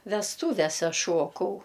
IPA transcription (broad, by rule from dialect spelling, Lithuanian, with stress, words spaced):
ʋʲɛsˈtuːʋʲɛsʲɛ ˈʃuɔkɐʊ